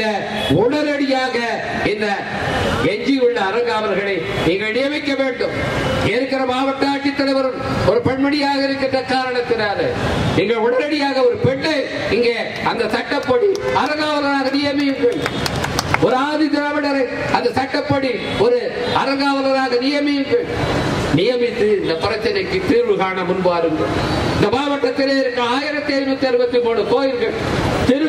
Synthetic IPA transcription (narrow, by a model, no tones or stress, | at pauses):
ɐ | ʊɳɐɾɐɽɪjaːɣɐ | ɪnd̪ɐ | ɛɲd͡ʒɪjɯɭːɐːɾɐŋɡaːʋɐɾɣɐɭɐɪ | niːŋɡɐɭnɪjɐʋɐɪkːɐʋeːɳɖɯmeːɾkːɪɾɐmaːʋɐʈːaːkːɪt̪ːɐlɐɪʋɐɾɯmɔɾɯpɛɳmɐɽɪjaːɣɐɪɾɯkːɪnrɐkaːɾɐɳɐt̪ːɪnaːðɐniːŋɡɐɭʊɳɐɾɐɽɪjaːɣɐɔɾɯpɛɳːe | ɪŋɡeː | ɐnd̪ɐsɐʈːɐpːɐɽiɐɾɐɣaːʋɐðɐɾaːɣɐnɪjɐmɪjɯŋɡɐɭ | ɔɾɯaːðɪðɾaːʋɪɽɐɾɐɪ | ɐnd̪ɐsɐʈːɐpːɐɽi | ɔɾɯ | ɐɾɐɣaːʋɐðɐɾaːɣɐnɪjɐmɪjɯŋɡɐɭnɪjɐmɪt̪ːɯɪnd̪ɐpːɪɾɐt͡ʃːɐnɐɪkːɯt̪iːɾʋɯɣaːnɐmʊnbaːɾɯŋɡɐ̰ɭɪnd̪ɐbaːbɐʈːɐt̪ːɛɾɪðɪɾɯŋɡɐɭaːjɪɾɐt̪ːeɐjmɐt̪ːɐɾɯʋɐt̪ːɪpoːɽɯk̪oːjɪɾɡɐɭ | t̪ɛɾ